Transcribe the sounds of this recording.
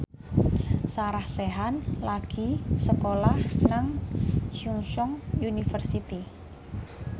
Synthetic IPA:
saɾahseɦanlaɡ̥isəkolahnaŋsuŋsɔŋunifərsit̪i

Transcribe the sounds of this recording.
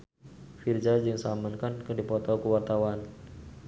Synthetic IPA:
fird͡ʒad͡ʒɨŋsamankankərdipɔt̪ɔkəwart̪awan

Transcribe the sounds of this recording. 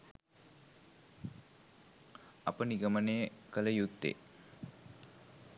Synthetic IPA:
apəniɡəmənejəkələjut̪ːḛ

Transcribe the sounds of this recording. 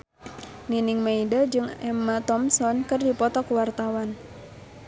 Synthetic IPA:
niniŋmaidad͡ʒɨŋɛmat̪ɔmsɔnkɨrdipɔt̪ɔkuwart̪awan

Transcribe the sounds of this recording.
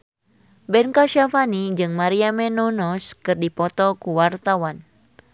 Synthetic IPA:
bɛnkaʃafanid͡ʒɨŋmaɾiamɛnɔnɔskɨrdipɔt̪ɔkuwart̪awan

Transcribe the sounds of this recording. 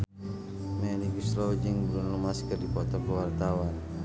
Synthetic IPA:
mɛniɡusɾɔwd͡ʒɨŋbɾunlumaskərdipɔt̪ɔkəwart̪awan

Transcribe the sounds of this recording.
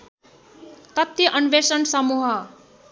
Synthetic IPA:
t̪ʌt̪ːiʔʌnʋesʌnsʌmuɦʌ

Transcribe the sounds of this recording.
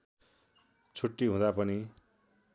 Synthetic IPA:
t͡sʰuʈːiɦũd̪apʌni

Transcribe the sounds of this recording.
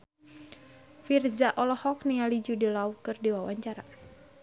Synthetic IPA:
firzaʔɔlɔhɔk̚niŋalid͡ʒudilaukɨrdiwawaɲt͡ʃaɾa

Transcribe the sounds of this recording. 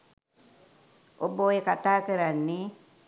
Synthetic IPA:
ʔobːoːjekat̪aːkiɾanːi

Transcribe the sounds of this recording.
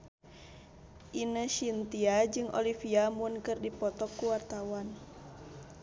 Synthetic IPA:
ʔinəʃint̪iad͡ʒɨŋʔo̰lifiamunkɨrdipɔt̪ɔkːuwart̪awan

